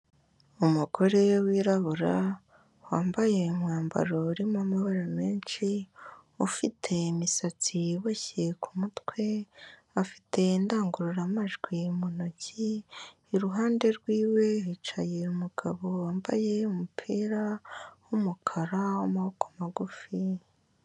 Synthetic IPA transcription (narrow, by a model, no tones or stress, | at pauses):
umuɡo̞ɾewiːɾaβuɾa | waːmbaje̞ŋwaːmba̰ɾouɾimamaβaɾameːnt͡ʃi | ufitʰe̞imisat͡siβoçekʰumutwe̞ | afi̥tʰe̞indaːŋɡuɾuɾamaʒɡwimonociː | ɾuɦaːnde̞ɾɡwiːwe̞hit͡ʃajeumuɡ̥aβo̞waːmba̰jeumupʰiːɾawumukʰaɾawamahokʰḁmaɡufi